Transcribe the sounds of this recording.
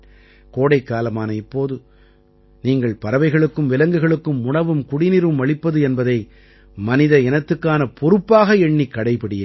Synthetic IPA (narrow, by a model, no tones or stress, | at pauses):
koːɽɐɪkːaːlɐmaːnɐɪpːoːðɯ | niːŋɡɐɭpɐɾɐʋɐɪɣɐɭɯkːɯmʋɪlɐŋɡɯɣɐɭɯkːɯmːʊɳɐʋɯmkʊɽɪnɪɾɯmʋɐɭɪpːɐðɯɛnbɐðɐɪ | mɐnɪðɐɛnɐt̪ːɯkːaːnɐpʰɔɾɯpːaːɣɐɛɳːikːɐɽɐɪpɐɽɪjeː